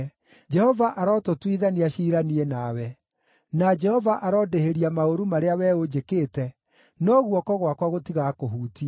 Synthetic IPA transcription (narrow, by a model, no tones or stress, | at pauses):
d͡ʒɛhɔvaʔaɾɔtotwiðaniaʃiːɾanienawɛ | nad͡ʒɛhɔvaʔaɾɔːdeheɾiamaoɾumaɾeawɛod͡ʒekeːtɛ | nɔɣwɔkɔɣwakwaɣotiɣakoɦuːtia